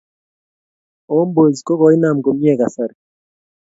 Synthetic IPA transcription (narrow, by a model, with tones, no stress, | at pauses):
o˦mbo˨zkɔ˦kɔ˨˦i˦na˨m˨ko˨mi˦ɛ˦˨ka˨sa˦˨ɾ